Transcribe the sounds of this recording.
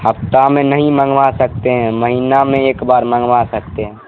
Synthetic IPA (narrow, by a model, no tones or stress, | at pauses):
həpt̪amẽnəɦĩmə̃ŋɡʋasək̚t̪eɦɛ̃məɦinamẽeːkbaɾmə̃ŋɡʋasək̚t̪eɦɛ̃